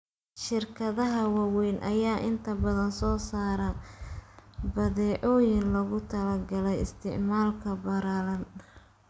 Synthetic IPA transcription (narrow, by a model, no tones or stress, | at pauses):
ʃɪrkʰɐðɐɦɐwɑwɛjnʔɐ̰jaːʔɪnt̪ʰɐbɐðɐnsɔːsaːɾɐ | bɐðɛːʕɔjɪnlɐɣʊt̪ʰɐlɐɡɐlɛjɪ̰st̪ʰɪ̰ʕmaːlkʰɐbɐɾaːlɐn